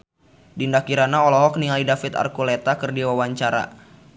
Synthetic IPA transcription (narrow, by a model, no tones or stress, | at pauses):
dindakiɾanaɔlɔɦɔk̚nialidafit̪a̰rkulɛt̪akɨrdiwawaɲt͡ʃaɾa̰